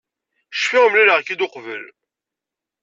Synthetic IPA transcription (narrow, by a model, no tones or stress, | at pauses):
ʃfɪʁmliləʁkid̪oqvəl